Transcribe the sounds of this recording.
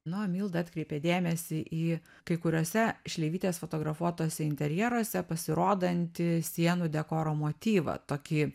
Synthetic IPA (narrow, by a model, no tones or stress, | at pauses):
nʊmʲiːlˠd̪ɐɑːt̪ʲkɾʲɛɪpʲeːd̪ʲeːmʲɛsʲɪʔiː | kɐɪkʊɾʲoːsʲɛʃʲlʲeɪʋʲiːt̪ʲeːsfot̪oːɡɾɐfuɔt̪oːsʲɛɪnʲt̪ʲɛɾʲjɛɾoɔsʲɛpɐsʲɪɾoːd̪ɐnʲt̪ʲɪsʲiɛnuːd̪ʲɛkoːɾoːmoːt̪ʲiːʋɐ̰t̪oːkʲiː